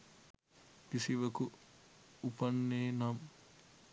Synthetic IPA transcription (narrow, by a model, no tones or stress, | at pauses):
pisiʋɐku | upɐnːeːnɐm